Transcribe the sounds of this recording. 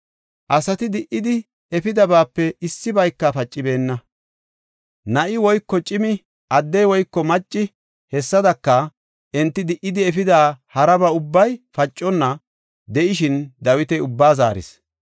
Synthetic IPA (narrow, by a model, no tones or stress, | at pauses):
ʔɐsɐt̪ɪd̪ɪʔɪd̪ɪ | ɛfɪd̪ɐbaːpːɛʔɪsːɪbɐjkːɐfɐt͡ʃʼːɪbe̞ːnːɐ | nɐʔɪwɔjkːɔt͡ʃʼɪmɪ | ʔɐd̪ːɛjwɔjkːɔmɐt͡ʃʼːɪ | hɛsːɐd̪ɐkːɐ | ʔɛnt̪ːɪd̪ɪʔɪd̪ɪɛfɪd̪aːhɐɾɐbɐʊbːɐjfɐt͡ʃʼːɔnːɐ | d̪ɛʔɪʃɪnd̪ɐwɪt̪ɛjʊbːaːza̰ːɾɪ̰s